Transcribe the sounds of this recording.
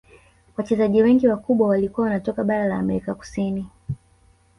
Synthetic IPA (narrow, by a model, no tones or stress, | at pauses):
wat͡ʃɛzaʄiwɛŋɡiwakuɓwawalikuwawanatɔkaɓaɾalaːmɛɾikaku̥sini